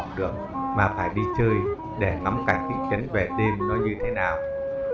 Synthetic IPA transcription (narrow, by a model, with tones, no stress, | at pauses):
k͡p̚ɗɨ̰˨˧˩ək̚maː˨˩faː˧˩jɗi˧t͡ɕəː˧j | ɗe˧˩ŋa˨˦mkaː˧˩k̚t̪ḭ˧˥t͡ɕə˨˦ŋ̟ve˨˩ɗe˧mnɔ˨˦jɲɨ˧t̪ʰe˨˦naː˨˩w